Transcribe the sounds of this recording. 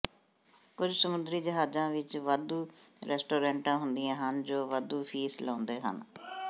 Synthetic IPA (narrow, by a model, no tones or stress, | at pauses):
kʊd͡ʒsəmʊnd̪ɾiːd͡ʒəɦaːzãːʋɪt͡ʃʋəd̪uːɾɛːsʈoːɾɛ̃ːɳʈãːɦʊnd̪ɪjãːɦənd͡ʒoːʋəd̪uːpʰiːslɔ̃ːnd̪eːɦə̰n